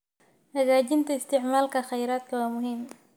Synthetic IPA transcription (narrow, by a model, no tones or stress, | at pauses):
hɐɣaːd͡ʒɪnt̪aɪst̪ɪʕmaːlkɐxɐjɾaːt̪̚kɐwaːmʊɦɪm